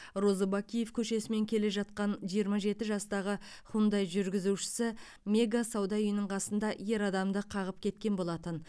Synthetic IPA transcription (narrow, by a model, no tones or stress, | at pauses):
ro̞zəbakʲije̞fkʲʰɵʃe̞sɪme̞ŋkʲʰe̞le̞ʒɑt̪̚qɑnʒijəɾmɑʒe̞t̪ɪʒɑst̪ɑʁəχund̪ɑjʒʏɾɡʲɪzuʃɪ̥sɪ | mʲe̞ɡasɑwd̪ɑʏjənəɴqʰɑsənd̪ɑje̞ɾɑd̪ɑmd̪əqʰɑʁəp̚kʲʰe̞t̪̚kʲe̞nbo̞lˠɑt̪ən